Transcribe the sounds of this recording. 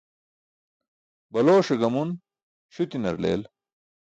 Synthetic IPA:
bɐloːʂɐɡɐmun | ɕut̪inɐ̰ɾlḛːl

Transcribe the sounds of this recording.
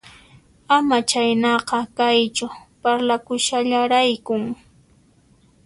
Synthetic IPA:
amat͡ʃajnɑqɑkajt͡ʃʊpaɾlakʊʃaʎaɾajkʊŋ

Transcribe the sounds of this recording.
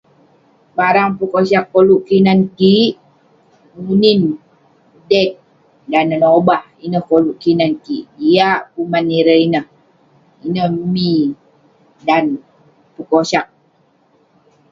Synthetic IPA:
baɾaŋpukosakːoluʔkinankiʔ | munin | dɛk̚ | danənobahinəhkoluʔkinankiʔdiaʔpumanːiɾəinəh | inəhmi | dan | pukosak̚

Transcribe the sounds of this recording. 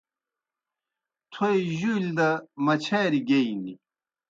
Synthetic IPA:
t̪ʰojʑuːld̪ɐmɐt͡ɕʰeːɾiɡeini

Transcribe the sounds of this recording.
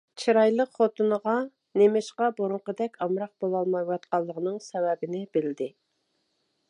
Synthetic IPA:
t͡ʃʰiɾɑjlˠəqχot̪ʰɨnəʁɑ | nemɪʃqɑboɾuɴqəd̪ɛkʲɑmɾɑq̚b̥olˠɑlˠmɑjwɑt̪̚qʰɑlˠːəʁənɨŋsɛwɛbɪnɪbɪlɪd̪ɪ

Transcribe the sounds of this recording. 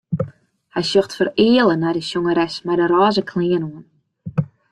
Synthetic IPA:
hɛjsjoxtfərɪːəlˠənajdəsjoŋəɾɛsmɛjdəɾaːzəkʰlɪənoən

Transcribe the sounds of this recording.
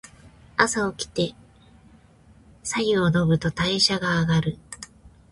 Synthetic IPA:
asao̞kʲi̥t̪e̞ | saiono̞bɯ̟t̪o̞t̪aiɕaɡaːɡaɾɯ̟

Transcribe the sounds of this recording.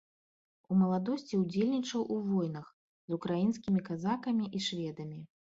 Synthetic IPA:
umɐlˠad̪ɔsʲt͡sʲiuwd͡zʲelʲnʲit͡ʂɐwʔuvɔjn̪ɐx | zukɾajinskʲimʲikazakɐmʲiʔiʂvʲɛd̪ɐmʲi

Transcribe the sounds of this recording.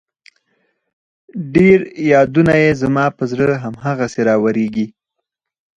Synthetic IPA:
ɖeɾjɑd̪unajezamɑpəzɽəɦamɦaɣaseɾɑwaɾeɡi

